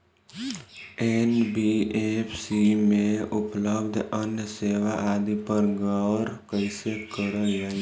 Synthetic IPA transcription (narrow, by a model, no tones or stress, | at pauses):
enbiepʰsimẽʊpləbd̪ʱənjəseːʋaʔaːd̪ipəɾɡaɾkəɪsekəɾəd͡ʒaːi